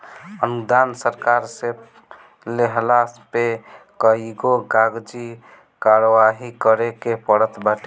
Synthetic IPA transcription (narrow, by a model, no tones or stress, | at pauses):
ənud̪ansəɾkaɾse | leɦlaspekəiɡoɡaɡd͡ʒi | kaɾəʋaɦikəɾekepəɽət̪baʈʰe